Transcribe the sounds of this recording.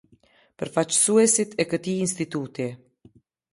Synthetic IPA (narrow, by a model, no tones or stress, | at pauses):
pəɾfat͡ɕə̥suɛsit̪ʰɛkət̪iːnst̪it̪ut̪i